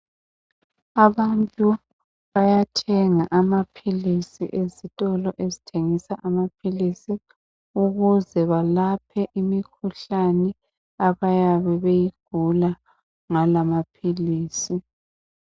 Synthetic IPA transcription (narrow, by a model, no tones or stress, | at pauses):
aβantʼu | βajatʰɛŋaʔamapʰilisḭʔezitʼɔlɔʔezitʰeŋisaʔamapʰilisi | uɣuzɛβalapʰɛʔimikʰuɬanɛ | aβajaβɛβejiɡ̥ʱula | ŋalamapʰiliːsi